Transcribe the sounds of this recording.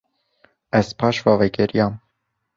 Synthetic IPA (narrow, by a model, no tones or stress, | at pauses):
ɛz̥pʰɑːʃvɑvɛɡɛɾijɑm